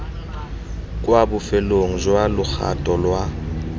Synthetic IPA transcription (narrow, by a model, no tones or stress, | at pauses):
kʼwabʊfɛloŋ̩zwalʊk͡xʰa̰tʼɔlwa